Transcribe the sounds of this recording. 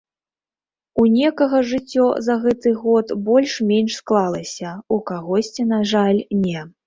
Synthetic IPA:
unʲɛkɐɣɐʐɨt͡sʲːɔzɐɣɛt̪ɨɣɔt̪bɔlʲʂmʲenʲʂsklˠalˠɐsʲɐukaɣɔsʲt͡sʲinaʐalʲnʲɛ

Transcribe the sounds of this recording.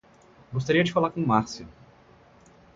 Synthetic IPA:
ɡos̬t̪aɾiɐd͡ʒɪfalaɾkõmaɾsʊ

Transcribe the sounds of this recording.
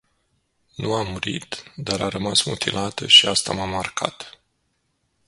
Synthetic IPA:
nuamːuɾit̪d̪aɾʔaɾəmasmut̪ʰilʔat̪əʃiast̪amamarkʰa̰t̪

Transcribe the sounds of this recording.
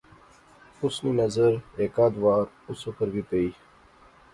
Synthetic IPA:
ʊsniːnɐzəɾeːkaːd̪ʋaːɾ | ʊsokəɾɡipeiː

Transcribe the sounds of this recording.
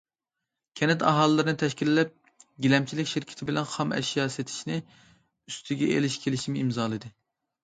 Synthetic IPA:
kʲʰɛnɛt̪ʰɑɦɑːlˠɨːɨɾɨnɨt̪ʰɛʃkʲilːɛp̚ | ɡʲilɛmt͡ʃʰilɪkʲʃiɾkʲʰɪ̥t̪ʰɪbɪlɛnχɑmɛ̰ʃijɑːset̪ʰɪ̥ʃnɪ | yst̪ʰɪɡʲɛḛlɪʃkʲʰelɪʃimɪimzɑːlˠɨd̪ɨ

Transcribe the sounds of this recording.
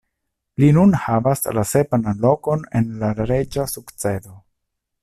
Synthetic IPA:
linunhavaslase̞panlo̞ko̞ne̞nlaɾe̞d͡ʒasukt͡se̞do̞

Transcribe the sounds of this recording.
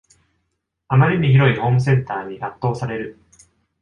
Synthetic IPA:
amaɾʲiɲiçiɾo̞iho̞ːmɯ̟s̬ẽ̞nt̪aːɲ̟iʔat̪ːo̞ːsaɾe̞ɾɯ̟

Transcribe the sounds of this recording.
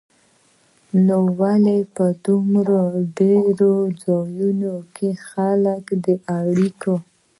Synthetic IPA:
nowalepəd̪ʊmɾoɖeɾod͡zɑjunokʰexaləkd̪əʔaɽiko

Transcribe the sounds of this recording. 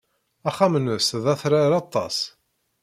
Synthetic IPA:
æχæmnəsðæθɾaɾɑt̪ˤːɑs

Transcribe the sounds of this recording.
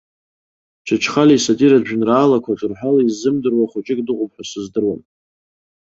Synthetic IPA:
t͡ʃʰat͡ʃʰχalisadʼiɾadʒᶣnraːlakʷʰaʈ͡ʂʼɨrħalaizɨmdɨrwaχʷʊt͡ʃʼɪkʼdɨqʼʊp̚ʰʼħʷᶣasɨzdɨrwan

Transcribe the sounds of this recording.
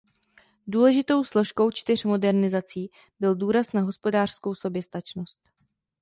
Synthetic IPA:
duːlɛʒɪt̪o̞wslo̞ʃko̞wt͡ʃt̪ɪr̝mo̞dɛɾnɪzat͡siː | bɪlduːɾasnaɦo̞spo̞daːr̝̥sko̞wso̞bjɛst̪at͡ʃnost̪

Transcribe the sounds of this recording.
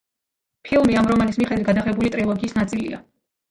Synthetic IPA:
pʰilˠmiamɾɔmanismiχɛd̪wit̪̚ɡad̪aχɛbulit̪ʼɾilˠɔɡiːsnat̪sʼilḭa̰

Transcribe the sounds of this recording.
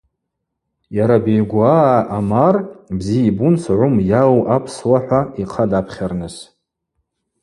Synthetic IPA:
jaɾabejɡʷaʔamarbzijibunsʕʷʊmjalʔapʰswaħʷaiqʰadapʰχʲarnɨs

